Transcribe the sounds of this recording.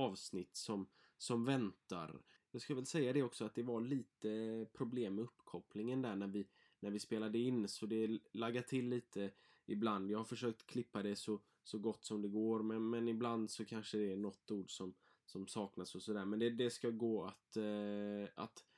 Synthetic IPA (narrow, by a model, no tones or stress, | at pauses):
ɑːvsnɪt̪ːsɔm | sɔmvɛnt̪a̰ɾ | jɑːɡskavɛlsɛjːad̪ɛɔksɔat̪̚d̪ɛvaliːt̪əpʰɾʊbleːmːɛɵpːkʰɔplɪŋənd̪æɳæɾvɪ | næɾvɪspeːlad̪əɪnːsɔd̪ɛlaɡːat̪ʰɪlːiːt̪ʰə | ɪbland̪jɑːhaɾfœʂøːk̚t̪kʰlɪpːad̪ɛsɔ | sɔɡɔt̪ːsɔmd̪ɛɡoːɾmɛnmɛnɪbland̪sɔkʰanʂəd̪ɛːnɔt̪ːuːɖsɔm | sɔmsɑːknasɔsɔd̪æːɾmɛnd̪ɛd̪ɛskaɡoːat̪ | a̰t̪